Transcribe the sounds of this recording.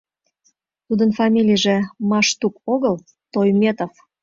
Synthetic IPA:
t̪ud̪ənfɑmʲilʲijəʒĕmɑʃt̪ukoɣəl | t̪ojmʲet̪of

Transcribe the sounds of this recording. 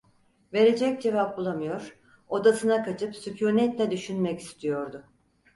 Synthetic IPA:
ve̞ɾe̞d͡ʒɛc̚d͡ʒe̞vap̚bulˠamɯjo̞ɾ̥ | od̪asɯnakʰat͡ʃʰɯpsycʰuɾnɛt̪lʲɛd̪yʃynmɛci̥st̪ʰijo̞ɾd̪ʊ

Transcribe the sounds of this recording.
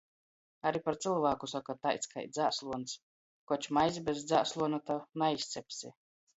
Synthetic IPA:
aɾipaɾt̪silˠvaːkusakat̪ajt̪ska̰jt̪d̪zʲaːslˠuɔns | kɔt͡ʃmajzibʲɛzd̪zaːslˠuɔnat̪anaist̪sʲɛpʲsʲi

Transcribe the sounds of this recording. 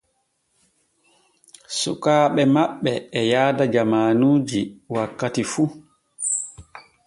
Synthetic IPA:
sṵkaːɓɛmaɓːɛːjaːdad͡ʒamaːnuːd͡ʒiwakːatifu

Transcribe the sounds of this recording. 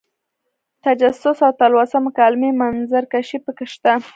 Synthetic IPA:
t̪ad͡ʒasʊsawt̪alwasamakalmemanzaɾkaʃipəkeʃt̪a

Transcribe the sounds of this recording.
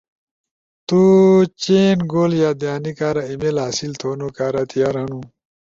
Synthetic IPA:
t̪ut͡ɕenɡoːljaːd̪jaːnikaːɾaimelaːsilt̪ʰoːnokaːɾat̪ʰijaɾɐnũ

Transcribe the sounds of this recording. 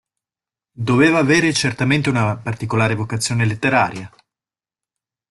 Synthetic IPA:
d̪oveːvaːveːɾet͡ʃert̪ament̪eunapart̪ikolaːɾevokat̪sːjoːnelet̪ːeɾaːɾja

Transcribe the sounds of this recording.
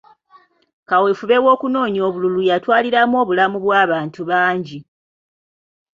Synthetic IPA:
kawefuβe̞wo̞ːkuno̞ːɲo̞ːβululujatwaːliɾamo̞ːβulamuβwaːβaːntuβaːɲɟi

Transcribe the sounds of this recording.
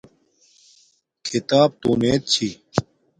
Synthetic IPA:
kʰit̪aːb̚t̪uːneːt̪̚t͡ɕʰiː

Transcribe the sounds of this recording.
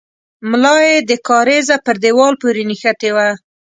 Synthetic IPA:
mlɑjed̪əkɑɾezapəɾd̪ewɑlpoɾenixat̪ewa

